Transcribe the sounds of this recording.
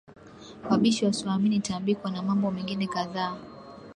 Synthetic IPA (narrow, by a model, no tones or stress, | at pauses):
aɓiʃiwasuaminitambikwanamambɔmɛŋɡinɛkaðaː